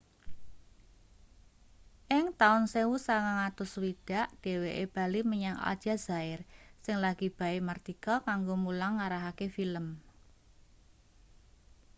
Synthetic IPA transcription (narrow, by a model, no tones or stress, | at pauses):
ʔɪŋt̪aʊnsewusaŋaŋat̪ʊswid̥a̤ʔɖ̥e̤weʔeb̥a̤liməɲaŋa̰l̥ʒ̥a̤zaɪrsɪŋlaɡ̥ib̥a̤emərt̪ikɔkaŋɡomulaŋːaɾaɦakefiləm